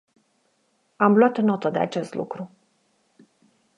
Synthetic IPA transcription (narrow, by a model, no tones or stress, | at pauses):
amloat̪nːo̞t̪əd̪e̞a̰t͡ʃe̞st̪lṵkɾu